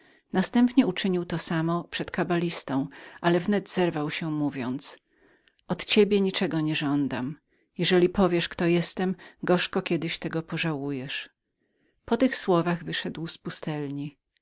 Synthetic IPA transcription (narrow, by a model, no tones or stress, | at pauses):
nast̪ɛmpɲɛut͡ʂɘɲiwt̪ɔsamɔpʂɛt̪kabalʲist̪ɔ̃w̃ʔalɛvnɛd̪zɛɾvawɕɛmuvʲjɔnt̪s | ʔɔt̪t͡ɕebʲjɛɲit͡ʂɛɡɔɲɛʐɔnd̪a̰m | jɛʐɛlʲipɔvʲjɛʂkt̪ɔjɛst̪ɛmɡɔʂkɔkʲjɛd̪ɘɕt̪ɛɡɔpɔʐawujɛʂ | pɔt̪ɘxswɔvaɣvɘʂɛd̪wspust̪ɛlɲi